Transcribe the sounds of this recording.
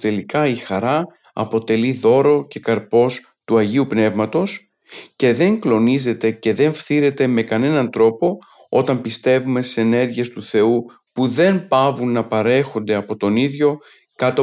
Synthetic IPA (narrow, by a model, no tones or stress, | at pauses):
t̪e̞likɐixɐɾɐ | ɐ̰po̞t̪e̞liðo̞ɾo̞ce̞kɐɾpo̞s | t̪uɐʝiupne̞vmɐt̪o̞s | ce̞ðe̞ŋklo̞nize̞t̪e̞ce̞ðe̞ɱfθiɾe̞t̪e̞me̞kɐne̞nɐnt̪ɾo̞po̞ | o̞t̪ɐmpist̪e̞vume̞st̪i̥se̞ne̞ɾʝie̞st̪uθe̞u | puðe̞npɐvunːɐpɐɾe̞xo̞nd̪e̞ɐpo̞t̪o̞niðʝo̞ | kɐt̪o